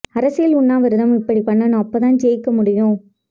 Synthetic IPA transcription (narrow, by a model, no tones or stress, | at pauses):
ɐɾɐsɪjɪlʊɳːaːʋɐɾɯðɐmɪpːɐɽipɐɳːɐnʊ̃ɐpːɐt̪ãːnd͡ʒeːjkːɐmʊɽɪjʊ̃